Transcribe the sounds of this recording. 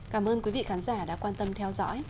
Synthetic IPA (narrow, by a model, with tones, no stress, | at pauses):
kaː˧˩mʔəː˧nkwi˨˦vḭ˧˨xaː˨˦nzaː˧˩ɗa̰ː˧˥kwaː˧nt̪ə˧mt̪ʰɛ˧wzɔ̰˧˥j